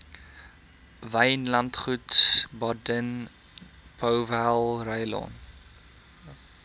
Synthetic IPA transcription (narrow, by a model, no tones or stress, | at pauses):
vɐjnlɐntχutsbɔdən | pʰəwvælˠrəjlɔ̰n